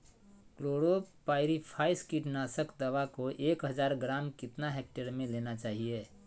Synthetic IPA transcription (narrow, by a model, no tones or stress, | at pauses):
kloːɽopaɪɾipʰaːɪskiʈnaːsəkd̪əʋakoʔeːkɦəd͡ʒaːɾɡɾaːmkɪt̪naɦɛk̚ʈeɾmẽlenat͡ʃaːɦije